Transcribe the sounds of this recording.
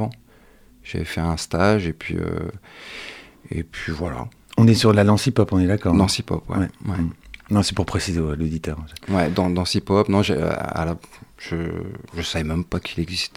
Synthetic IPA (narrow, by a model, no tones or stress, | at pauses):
ɑ̃ | ʒ̥a̰vɛfɛɛ̃st̪aʒepɥḭø̰ | ḛpʰɥivwala̰ | ɔ̃nɛsyʁlalɑ̃sipɔpɔ̃nɛd̪akɔːʁlɑ̃sipɔ̰pwɛwɛwɛ̰nɔ̃sɛpuʁpχesizewɛlod̪it̪œʁɔ̃sɛwɛd̪ɑ̃d̪ɑ̃sipɔpnɔ̃ʒḛa̰laʒ̥əʒəsavɛmɛmpakʲʰilɛɡzist̪